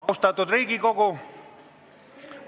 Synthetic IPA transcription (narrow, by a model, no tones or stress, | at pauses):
ust̪ɑt̪ːud̪riːɡikoko